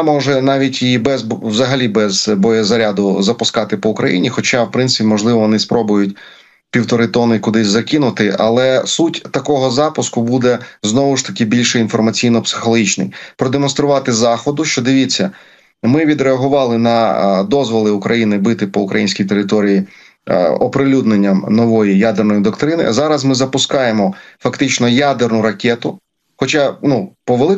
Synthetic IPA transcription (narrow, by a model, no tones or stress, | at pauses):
mɔʒɛnɑʋʲitʲibɛzwzɐɦɐlʲibɛzbɔjɛzɐɾʲad̪ʊzɐpʊskɑt̪ɪpɔʊkɾɐjḭnʲixɔt͡ʃɑwpɾɪnt̪sɪpʲimɔʒlˠɪʋɔʋɔnɪspɾɔbʊjʊtʲ | pʲiwt̪ɔɾɪt̪ɔnɪkʊd̪ɪsʲzɐkɪnʊt̪ɪʔɐ̰lˠɛsutʲt̪ɐkɔɦɔzɑpʊskʊbud̪ɛznɔʋʊʃt̪ɐkɪbʲilʲʃɛinfɔrmɐt͡sʲijnɔpsɪ̥xɔlˠɔɦʲit͡ʃnɪ̰jpɾɔd̪emɔnst̪ɾʊʋɑt̪ɪzɑxɔd̪ʊʃt͡ʃɔd̪ɪʋʲit͡sʲːɐ | mɪʋʲid̪ɾeɐɦʊʋɑlˠɪnɐd̪ɔzʋɔlˠɪʊkɾʔɐjinɪbɪt̪ɪpɔʊkɾɐjinʲsʲkʲijt̪eɾɪt̪ɔɾʲijḭ | ɔpɾɪlʲud̪nenʲːɐmnɔʋɔjijad̪ernɔjid̪ɔkt̪ɾɪnɪ̰zɑɾɐzmɪzɐpʊskɑjemɔfɐkt̪ɪt͡ʃnɔjad̪ernʊɾɐkʲɛt̪ʊ | xɔt͡ʃɑnupɔʋelˠɪ